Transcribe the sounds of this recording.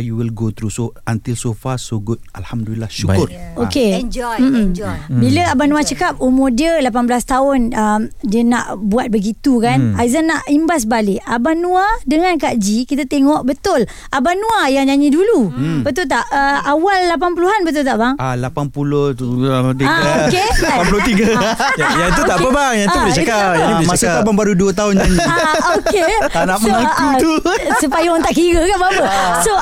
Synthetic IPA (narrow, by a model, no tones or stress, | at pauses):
juwilɡot̪ɾusoant̪ilsofasoɡʊt̪̚alhamdulilahʃukʊroked͡ʒɔm̩biləabanũat͡ʃəkap̚umodiəlap̬anbəlast̪aʊnəmdiəna̰ʔbuat̪̚bəɡit̪ukanajzanːaʔimbas̬balɪʔabanuadəŋãnkaʔd͡ʒikit̪at̪eŋɔʔbət̪ʊl | ʔabanũajaŋd͡ʒaɲidulubət̪̬ʊlt̪aʔəawalːap̬anp̬uluɦanbət̪̬ʊlt̪aʔbaŋalapanpulʊhut̪iɡaaokepanp̬ulʊht̪iɡajaŋt̪uaʔpəbaŋjat̪ublt͡ʃatkajaniemasʊaʔbaŋbaɾuduət̪aɦʊnd͡ʒaɲiaokeanaʔməakut̪u | supajaant̪aʔkiɡəkabaapəso